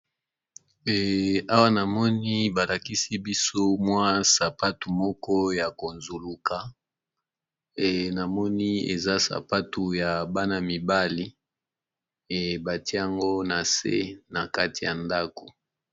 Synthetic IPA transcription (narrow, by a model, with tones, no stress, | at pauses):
ɛ˨a˦wa˦na˨mɔ˦ni˦ba˨la˨ki˦si˦bi˦so˦mwa˦sa˨pa˦tu˨mɔ˦kɔ˦ja˨ko˨nzu˨lu˨ka˨ | ɛ˨na˨mɔ˦ni˦ḛ˨za˦sa̰˨pa˦tu˨ja˨ba˦na˨mi˨ba˦li˦˨ | ba˨ti˦a˨ŋɡo˦na˨sḛ˦na˨ka˦ti˨ja˨nda˦ko̥˨